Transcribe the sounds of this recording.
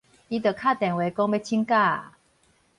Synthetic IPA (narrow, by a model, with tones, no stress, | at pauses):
i˦t̪ə˨kʰa˥˨t̪ɛ̃˨˩ŋwe˨˦kɔ˥˦ŋbe˦˧˦t͡ɕʰi˦ŋka˥˧˨